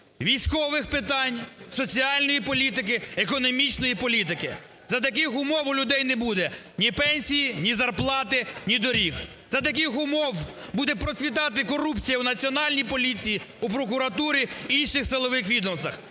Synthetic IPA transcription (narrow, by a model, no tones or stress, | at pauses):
ʋʲijsʲkɔʋɪxpɪt̪ɑnʲsɔt͡sʲiɑlʲnɔjipɔlʲit̪ɪk̬ɪekɔnɔmʲit͡ʃnɔjipɔlʲit̪̬ɪkɪ | zɐt̪ɐk̬ɪxʊmɔwʊlʲʊd̪ɛjnɛbud̪ɛ | nʲipɛnʲsʲijinʲizɐrplˠɑt̪ɪnʲid̪ɔɾʲix | zɐt̪̬ɐk̬ɪxʊmɔwbud̪ɛpɾɔt͡sʲʋʲit̪ɑt̪̬ɪkɔɾupt͡sʲijɐunɐt͡sʲiɔnɑlʲnʲijpɔlʲit͡sʲiji | upɾɔkʊɾɐt̪uɾʲiinʲʃɪxsɪlˠɔʋɪxʋʲid̪ɔmst̪ɐx